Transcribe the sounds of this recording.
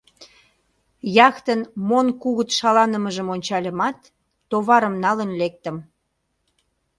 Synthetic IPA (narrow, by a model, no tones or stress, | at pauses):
jɑxt̪ənmonkuɣət̪ʃɑlɑnəməʒəmonʲt͡ɕɑlʲə̆mɑt̪ː | oβɑɾəmnɑlənlek̚t̪ə̆m